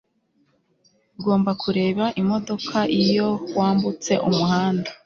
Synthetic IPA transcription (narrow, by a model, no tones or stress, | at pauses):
ɡo̞ːmbakʰuɾe̞ːβaʔimo̞do̞kʰaʔijo̞waːmbut͡se̞ʔumuɦaːnda